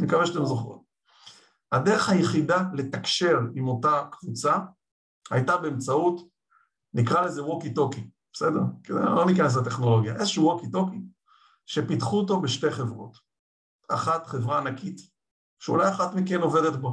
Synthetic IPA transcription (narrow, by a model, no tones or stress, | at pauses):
nikaveʃatemzoχo̰t | ade̞ʁeχhajeχidale̞takʃe̞ʁimo̞takv̥ut͡sa | ha̰jtabeːmt͡saut | nikʁale̞ze̞wokito̞kib̥ese̞deʁkez̰lo̞nikanes̬late̞χno̞lo̞ɡja̰ʔezeʃuwokito̞ki | ʃe̞pitχuoto̞beʃte̞jχe̞vʁo̞̰t | aχatχevʁaːnakit | ʃeṵlajaχatmikeno̞ve̞detbo